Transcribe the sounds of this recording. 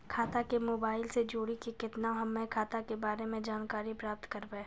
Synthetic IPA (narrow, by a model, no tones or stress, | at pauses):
kʰaːt̪akemoːbaːɪlsed͡ʒoːɽikikɪt̪naɦɐmːẽkʰaːt̪akebaːɾemẽd͡ʒaːnkaːɾipɾaːp̚t̪kɐɾbẽː